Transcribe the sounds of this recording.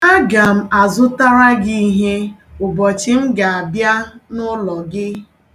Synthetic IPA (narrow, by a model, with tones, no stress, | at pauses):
a˦ɡa˨m̩˦a˨zʊ˦ta˦ɾa˦ɡi˦i˦ɦe˦ʊ˨bɔ˨t͡ʃɪ˦m̩˦ɡa˨a˨bja˦nʊ˦lɔ˨ɡɪ˦